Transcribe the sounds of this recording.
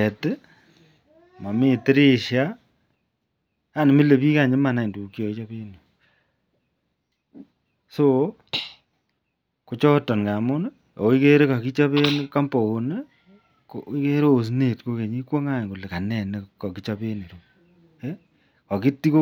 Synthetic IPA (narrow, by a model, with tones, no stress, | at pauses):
ɛ˨te˦ | mɔ˨mɪ˦tɪ˦ɾe˦ʃja˦˨ | ne˨mi˦le˨pi˦ka˨ɲe˦ma˨na˨i˨ndu˨kjo˨i˦t͡ʃɔ˦pe˦ne˨ | so˦ | ko˨˦t͡ʃɔ˦tɔ˨nka˨mʊ˦n˦ | o̰˨˦i˦ke˦ɾe˦ka˨ki˦t͡ʃɔ˦pe˦n˦ka˦mpo˨o˨ne˦ | koi˦ke˦ɾo˦˨s̬ne˨tko˦ke˨ɲi˦kwo˦ŋa˦˨ŋku˨le˨ka˨nɛ˨ne˦kɔ˨ki˦t͡ʃɔ˦pe˦ne˨ɾu˨ | e˦ | kɔ˨ki˦ti˦ko˦